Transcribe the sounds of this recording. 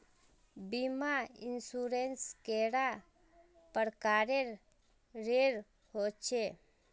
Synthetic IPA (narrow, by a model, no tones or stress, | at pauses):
bimainsuɾenskeɽa | pəɾkaɾeɾ | ɾeɾ | hot͡ʃʰe